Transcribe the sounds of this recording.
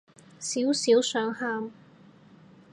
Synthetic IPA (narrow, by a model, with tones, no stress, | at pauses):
siː˨˥wsiː˨˥wsœː˨˥ŋhaː˧m